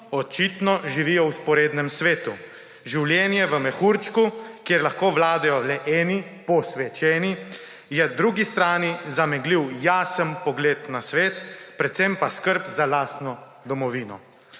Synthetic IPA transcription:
ɔt͡ʃit̪nɔʒiʋiːjɔwspɔɾeːd̪nɛmsʋeːt̪u | ʒiwljɛːnjɛʋəmɛxuɾt͡ʃkukjeːɾlaxkoːʋlaːd̪ɛjɔlɛʔɛːnipɔsʋɛt͡ʃɛːni | jɛd̪ɾuːɡist̪ɾaːnizamɛɡliwjaːsənpɔɡleːt̪nasʋeːt̪pɾɛt̪sempaskəɾpzalaːsnɔ | d̪ɔmɔʋiːnɔ

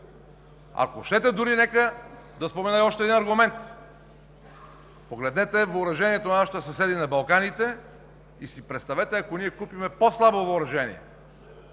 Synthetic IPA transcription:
a̰koʃt̪ɛt̪ɛd̪uɾinɛkəd̪ɐspomɛnaɔʃt̪ɛd̪inɐɾɡʊmɛnt̪ | poɡlɛd̪nɛt̪ɛvːɾɐʒɛniɛt̪onɐnaʃi̥t̪əsɐsɛd̪inɐbɐlˠkanit̪ɛ | isipɾɛt̪st̪ɐvɛt̪ɛɐkoniɛkupimɛposlˠabovoːɾɐʒɛnḭɛ̰

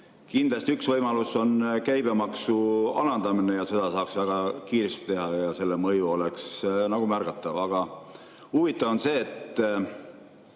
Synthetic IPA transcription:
kind̪lɑst̪iyksvɤjmɑluso̞nkæjbemɑksuɑlɑnd̪̥ɑmine̞jɑse̞d̪̥ɑsɑːksvæɡ̥ɑkiːɾest̪i̥t̪e̞ɦɑjɑse̞lːe̞mɤjuo̞le̞ksnɑɡ̥umærɡ̥ɑt̪ːˑɑvɑɡ̥ɑ | uvit̪ːˑɑvo̞nse̞ːt̪ː

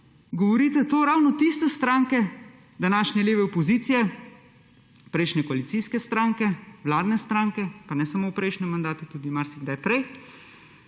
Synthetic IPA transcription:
ɡɔʋɔɾiːt̪ɛt̪oːɾawnɔt̪ist̪ɛst̪ɾaːŋkɛ | d̪anaːʃnɛleːʋɛɔpɔziːt̪sijɛ | pɾɛjʃnɛkɔalit̪siːskɛst̪ɾaːŋkɛwlaːd̪nɛst̪ɾaːŋkɛpanɛsamopɾʔɛjʃnɛmːand̪aːt̪ut̪uːd̪imaɾsiɡd̪ajpɾɛj

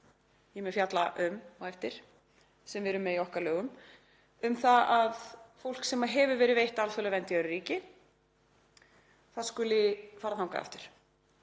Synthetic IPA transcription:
jɛmɛfjat̪la̰ʔʏmaɛjft̪ɪɾ̥ | sɛmvɪɾʏmːɛðiɔhkaɾlœːɣʏm | ʏmθaaðfowl̥ksɛmːaɦɛvʏvɛːɾɪðvejht̪alfœlavɛnt̪ɪœɾʏɾiːcɪ | θaðskʏlɪfaːɾaθawka̰a̰ft̪ʏɾ̥

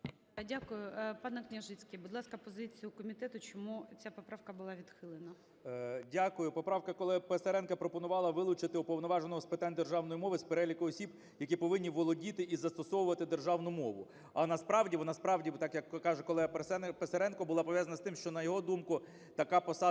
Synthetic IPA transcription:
dʲakʊjʊpɑnɛknʲɐʒɪt͡sʲkʲibʊd̪lˠɑskɐpɔzɪt͡sʲijʊkɔmʲit̪ɛt̪ʊt͡ʃɔmut͡sʲapɔpɾɑwkɐbʊlˠɑʋʲid̪xɪlˠɪnɐ | dʲakʊjʊpɔpɾɑwkɐkɔlˠɛpeseɾɛnkɐpɾɔpɔnʊʋɑlˠɐʋɪlˠʊt͡ʃɪt̪ɪupɔwnɔʋɑʒenɔɦɔspɪt̪ɑnʲd̪erʒɑwnɔjimɔʋɪspeɾɛlʲikʊɔsʲib | jɐkʲipɔʋɪnʲːiʋɔlˠɔdʲit̪ɪizɐst̪ɔsɔwʊʋɐt̪ɪd̪erʒɑwnʊmɔʋʊ | ɐnɐspɾɑwdʲiʋɔnaspɾɑwdʲit̪ɑkjɐkːɑʒɛkɔlˠɛɐpeseɾɛnkɔbʊlˠɑpɔʋjɑzɐnɐst̪ɪmʃt͡ʃɔnɐjɔɦɔd̪umkʊ | t̪ɐkɑpɔsɑ

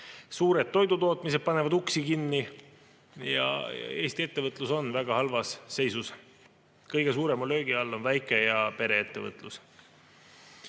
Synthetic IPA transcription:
suːɾe̞d̪̚t̪ːo̞jd̪ut̪o̞ːt̪ˑmise̞d̪̚pɑne̞vɑd̪uksikinːi | jɑ̰e̞ːst̪ie̞t̪ːe̞vɤt̪ˑluso̞nvæɡ̥ɑhɑlvɑsːe̞jsus | kɤjɡ̥e̞suːɾe̞mɑlø̞ːɡ̥iɑlːo̞nvæjkˑejɑpe̞ɾe̞et̪ːe̞vɤ̰t̪ːˑlus

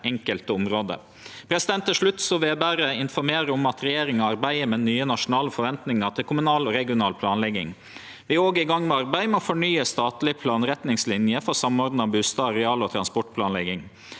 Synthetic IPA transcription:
ʔɛŋkəlt̪əʊmɾoːd̪ə̰ | pʰɾɛsɪd̪ɛnt̪ːəʂɭʉt̪ːsoːʋeːbæːɾəɪnfɔɾmeːɾəʊmɑt̪ɾɛjeːɾɪŋɔɑɾbæɪəmɛnyːənɑʂʊnɑːləfɔɾʋɛnt̪nɪŋəʈ̪ʰɪlkʰʊmʉnɑːlɔɾɛɡɪʊnɑːlpʰlɑːnlɛɡɪ̰ŋ | ʋɪoːɡəɪɡɑŋːmɛɑɾbæɪmɛɔːfɔɳyːəst̪ɑːt̪lɪpʰlɑːnɾɛt̪nɪŋslɪnjəfɔɾsɑmɔːɾd̪n̩ɑbʉst̪ɑːɾɛɑːlɔt̪ʰɾɑnspɔʈpʰlɑːnlɛɡɪŋ

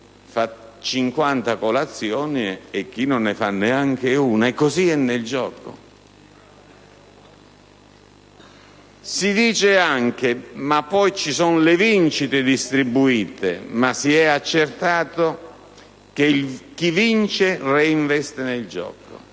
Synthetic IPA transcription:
fat͡ʃiŋkwant̪akolat̪sːjɔːniɪk̟ːinːonːefanːeaŋk̟euːnaɛkːoziɛnːeɪld͡ʒɔːko̰ | sid̪iːt͡ʃeaŋk̟emapːɔjt͡ʃisɔnlevint͡ʃit̪ed̪ist̪ɾibːuiːt̪ḛmasiɛat͡ʃːert̪aːt̪o | k̟ek̟ivint͡ʃereiɱvɛst̪eneld͡ʒɔ̰ːko̰

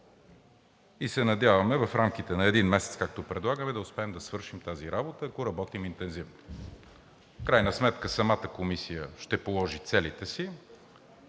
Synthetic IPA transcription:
isɛnɐd̪ʲjavɐmɛvɐfɾamk̟it̪ɛnɐɛd̪inmɛsɛt̪skak̚t̪opɾɛd̪lˠaɡəmɛd̪ɐʊspɛːmd̪ɐsvɤɾʃimt̪aziɾabot̪əːɐkoɾɐbɔt̪imint̪ɛnzivno | fkɾajnəsmɛt̪kəsɐmat̪əkomisijəʃt̪ɛpolˠɔʒit̪sɛlit̪ɛsi

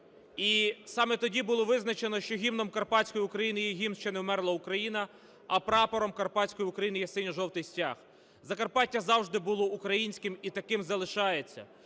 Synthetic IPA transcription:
isɑmɛt̪ɔdʲibʊlˠɔʋɪznɐt͡ʃenɔʃt͡ʃɔɦʲimnɔmkɐrpɑt͡sʲkɔjʊʊkɾɐjinɪjɛɦʲimʃt͡ʃɛnɛwmɛrlˠɐʊkɾɐjinɐ | ɐpɾɑpɔɾɔmkɐrpɑt͡sʲkɔjiʊkɾɐjinɪjɐsɪnʲʊʒɔwt̪ɪjsʲtʲɑx | zɐkɐrpɑtʲːɐzɑwʒd̪ɪbʊlˠɔukɾɐjinʲsʲkɪmit̪ɐkɪmzɐlˠɪʃɑjet͡sʲːɐ̰

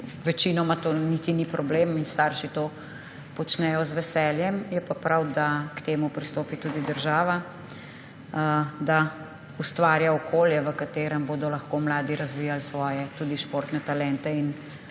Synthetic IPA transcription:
ʋɛt͡ʃiːnɔmat̪oːnit̪inipɾɔbleminst̪aːɾʃit̪o | pɔt͡ʃnɛjɔzʋɛsɛljɛmjɛpapɾawd̪akt̪eːmupɾist̪oːpit̪ud̪id̪əɾʒaːʋa | d̪a | ust̪ʋaːɾjaɔkʰoːljɛʋəkat̪eːɾəmboːd̪ɔlɐxkoːmlaːd̪iɾazʋiːjalsʋɔːjɛt̪uːd̪iʃpoːɾt̪nɛt̪alɛnt̪ɛin

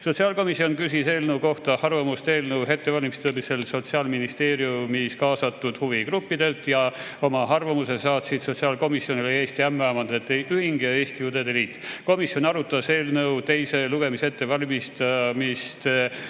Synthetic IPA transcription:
so̞t̪siɑːlko̞misːio̞nkysise̞ːlnəwko̞ht̪ɑhɑrvɑmust̪e̞ːlnəwɦe̞t̪ːe̞vɑlʲimist̪oːmise̞lso̞t̪siɑːlminist̪e̞ːɾjumiskɑːsɑt̪ːˑud̪̥huvikrupːid̪e̞lt̪jɑ | o̞mɑɦɑrvɑmuse̞sɑːt̪sit̪so̞t̪siɑːlko̞misjo̞nileeːst̪iæmːeɑmɑnd̪̥et̪ːeʔyhiŋɡee̞ːst̪ijud̪ed̪e̞liːt̪ːˑko̞misjo̞nɑɾut̪ːˑɑse̞ːlnəwt̪e̞jse̞luɡ̥e̞mise̞t̪ːe̞vɑlʲimist̪ɑmist̪

